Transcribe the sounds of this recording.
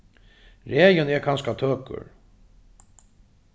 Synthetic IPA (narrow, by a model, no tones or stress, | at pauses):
ɾeːjənɛɾkʰanskat̪ʰøːkʊ̰ɾ